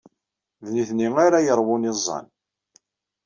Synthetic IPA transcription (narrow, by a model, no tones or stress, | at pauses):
ðniθniŋaɾajəɾˤwʊnizˤːɑ̰n